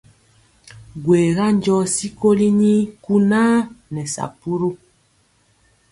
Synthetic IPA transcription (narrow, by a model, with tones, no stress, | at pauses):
ɡweː˨ɣa˦n˦d͡ʒɔ˦si˦ko˦li˦ɲi˦ku˦naː˦nɛ˨sa̰˨pu˦ɾu˦